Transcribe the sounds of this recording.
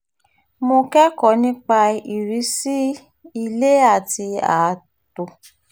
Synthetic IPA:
mo˧kɛ˦kɔ˨˦nĩ˦k͡pa˧i˨ɾi˨˦si˦ | i˧le˦a˦˨ti˧a̰˨˦ | to˧

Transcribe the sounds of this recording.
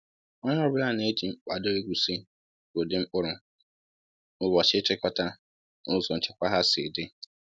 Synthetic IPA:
ɔ˦ɲa˦bɾa˦˨ne˦d͡ʒi˨m̩˦k͡pa˨do˦e˦ɡʷu˨si˦ | o˨de˦m̩˦ʊ˦ɾʊ˨ | ʊ˦wɔ˨t͡ʃɪ˦t͡ʃɪ˦kɔ˦ta˦ | nʊ˦zɔ˨n̩˨t͡ʃɪ˨kʷa˦ɦa˦sɪ̰˨de˦

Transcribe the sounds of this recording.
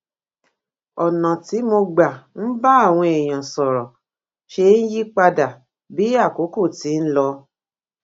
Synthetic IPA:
ɔ˨nã˨ti˨˦mo˧ɡ͡ba˨n̩˦ba˦a˦˨w̃ɔ̃˧e˨j̃ã˨sɔ˨ɾɔ˨ | ʃe˧n̩˦ji˦k͡pa˧da˨ | bi˨˦a˦˨ko˨˦ko˦˨ti˨˦n̩˦lɔ˧

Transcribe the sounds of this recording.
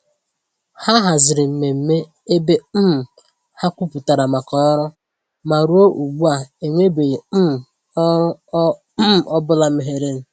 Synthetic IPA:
ha˦ɦa˨zɪ˨ɾɪ˨m̩˨me˨m̩˦me˦ | e˦be˦m̩˦˨ | ha˦kʷu˦pu˨ta˨ɾa˨ma˨kɔ˦ɾʊ˦ | ma˨ɾu˦o˦ʔu˨ɡ͡bu˦a˨e˨ŋʷe˦be˨˦˨ | m˨ɔ˦bʊ˦la˦m̩˨ɦe˨ɾe˦n̩˨

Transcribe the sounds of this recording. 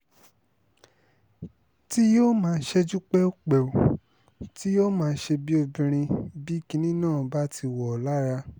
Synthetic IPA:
ti˦joː˦mãː˦˧n̩˦ʃe˧d͡ʒu˦k͡pɛ˦o˦k͡pɛ˨u˨ | ti˦jo˦mãː˦˧˦ʃe˧bi˦o˧bĩ˧ɾ̃ĩ˧bi˦ki˧˦nĩ˦nãː˦˨ba˦tʰi˧wɔ˨la˦ɾa˧

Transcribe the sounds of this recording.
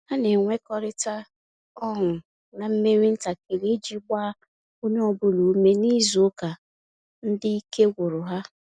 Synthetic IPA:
ha˦ne˨ŋʷe˦kɔ˦ɾɪ˦ta˦ | ɔ˦ɦʊ˨ | na˨m̩˦me˦ɾi˦n̩˦ta˨ke˨ɾi˦d͡ʒi˦ɡ͡ba˦ | o˦n˦ɔ˦bʊ˦lu˨u˦me˦ni˦zo˦ka˨ | n̩˦dɪ˦i˦ke˦ɡʷʊ˨ɾʊ˨ɦa˦

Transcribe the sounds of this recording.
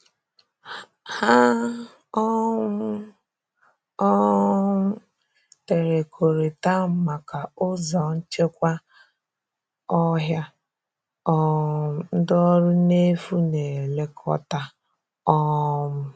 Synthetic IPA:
ha˦ | ɔ˦m̩˦ | ɔ˦ | te˨ɾe˨kʰo˨ɾe˨ta˦˨ma˨ka˨ʊ˦zɔ˨n̩˦t͡ʃe˦kʷa˦ | ɔ˦ɦja˦ | ɔ˦˨n̩˦dɔ˦ɾʊ˦ne˦fu˦ne˨le˦kʰɔ̰˦ta˦ | ɔ˦m̩˦

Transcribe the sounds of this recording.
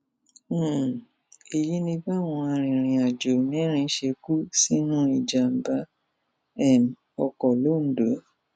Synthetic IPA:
e˨ji˦nĩ˧ba˦˨w̃ɔ̃˧a˧ɾ̃ĩ˨ɾ̃ĩ˨a˨d͡ʒo˨nĩ˦ɾ̃ĩ˧˦ʃe˧ku˦si˦nũ˦i˦˨d͡ʒa˨m̩˨ba˨˦ | ɛ˦˨m˨ | ɔ˧kɔ˨lo˦˨n̩˨do˨˦

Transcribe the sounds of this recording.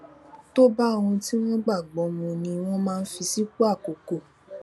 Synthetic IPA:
to˦ba˦o˧wũ˧ti˦w̃ɔ̃˦ɡ͡ba˦˨ɡ͡bɔ˨˦mũ˧nĩ˧w̃ɔ̃˦mãː˦˧n̩˦fi˧si˦k͡pu˦a˦˨ko˨ko˨

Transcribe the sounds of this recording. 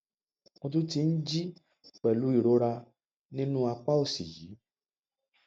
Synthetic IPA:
o˧tũ˦ti˧n̩˦d͡ʒi˦ | k͡pɛ˨lu˨˦i˦˨ɾo˨˦ɾa˧ | nĩ˦nũ˦a˧k͡pa˦o˦˨si˨ji˨˦

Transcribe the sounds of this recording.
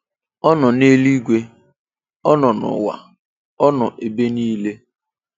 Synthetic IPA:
ɔ˦nɔ˨ne˦li˦ɡʷe˦ | ɔ˦nɔ˨nʊ̰˨wa̰˨ | ɔ˦nɔ˨ʔe˨be˦niː˦le˦

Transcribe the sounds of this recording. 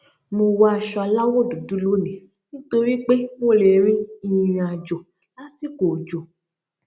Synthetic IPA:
mo˧wa˦a˧ʃɔ˧a˧la˦wo˦˨du˨du˨˦lo˦nĩ˨ | nĩ˦to˧ɾi˦k͡pe˦wo˦˨le˨ɾĩ˦i˧˨ɾ̃ĩ˧a˨d͡ʒo˨ | la˨˦si˦ko˨d͡ʒo˨

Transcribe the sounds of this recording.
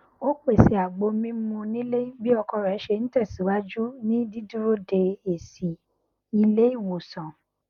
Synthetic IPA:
o˦k͡pe˦˨se˨a˨ɡ͡bo˧mĩ˦mũ˧nĩ˦le˦i˦bi˦ɔ˧kɔ˧ɾɔ˨ɛ˨˦ʃe˧ñ̩˦tɛ˦˨si˨˦wa˦d͡ʒu˦nĩ˦di˦du˦ɾo˦de˧e˨si˨ | i˧le˦i˦˨wo˨sã˨

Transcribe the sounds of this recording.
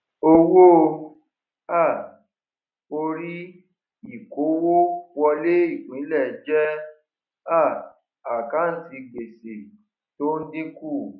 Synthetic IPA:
o˧wo˦˧ | a˦˨ | o˧ɾi˦ | i˦˨ko˨˦wo˦wɔ˧le˦i˦˨k͡pĩ˨˦lɛ˦˨d͡ʒɛ˦ | a˦˨ | a˨ka˨˦n̩˦ti˧ɡ͡be˨se˨ | to˦n̩˦dĩ˦ku˦˨

